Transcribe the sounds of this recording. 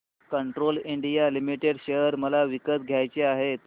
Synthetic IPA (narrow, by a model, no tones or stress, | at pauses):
kəɳʈɾoliɳɖijalimiʈeɽɕejəɾməlaʋikət̪ɡʱjajt͡ɕeaɦet̪